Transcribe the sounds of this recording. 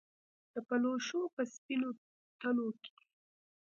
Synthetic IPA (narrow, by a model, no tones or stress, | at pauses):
d̪̥əpaloʃopəspino | t̪əloke̥